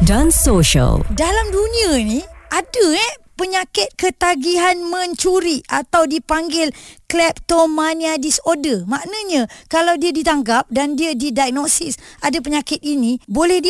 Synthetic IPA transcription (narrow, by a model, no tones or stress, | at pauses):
dansoʃə̰ldalamdunianiʔadəɛpəɲakɪt̪̚kət̪aɡiɦanmə̃ɲt͡ʃuɾiʔa̰t̪awdipaŋɡɪlklɛp̚t̪omaniadisodəmaʔnaɲãkalawdiadit̪aŋɡap̚dandiadidajk̚nosisadapəɲakɪt̪̚inibolɛhdi